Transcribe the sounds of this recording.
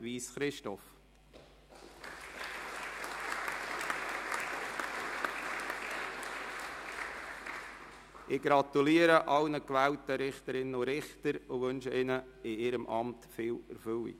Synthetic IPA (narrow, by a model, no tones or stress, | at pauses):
ʋiːsχɾɪʃtɔf | ʔɪɡɾɑt̪uliːəɾəʔɑlnəkʋæːwtəɾɪχtəɾɪnːəʊɾɪχtəɾʊʋønʃəɪnə | ɪɪɾəmʔɑmtfɪːlɛ̰ɾfʏlḭ